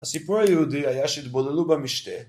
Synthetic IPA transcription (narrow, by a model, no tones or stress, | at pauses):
asipuɾajɛɦud̪iajaʃɛid̪bolɛlubamiʃt̪ɛ